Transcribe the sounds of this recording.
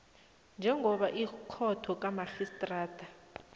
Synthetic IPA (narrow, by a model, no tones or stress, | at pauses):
nd͡ʒʱɛŋʱɔɓaʔikʰɔtʰɔk̬ʼamaxistʼraːtʰʼa